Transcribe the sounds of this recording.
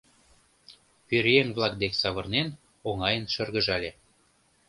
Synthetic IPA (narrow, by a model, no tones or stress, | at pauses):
pyɾʲjeŋβlˠɑk̚d̪eksɑβɤ̆rnen | oŋɑjənʃərɣə̆ʒɑlʲe